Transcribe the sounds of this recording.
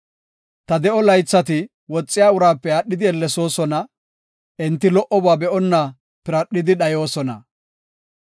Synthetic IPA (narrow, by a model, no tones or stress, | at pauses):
t̪ɐd̪ɛʔɔlɐjt͡sːɐt̪ɪ | wɔt͡sʼːɪjaːʊɾaːpːɛɐɗːɪd̪ɪɛlːɛso̞ːsɔnɐ | ʔɛnt̪ːɪlɔʔɔbaːbɛʔɔnːɐ | pɪɾɐɗːɪd̪ɪɗɐjo̞ːsɔnɐ̰